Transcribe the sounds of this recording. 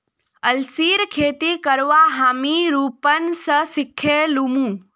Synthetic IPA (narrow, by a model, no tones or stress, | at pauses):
əlsiːɾkʰeːt̪ikəɾʋaɦaːmiɾuːpənsəsɪkʰːelumũː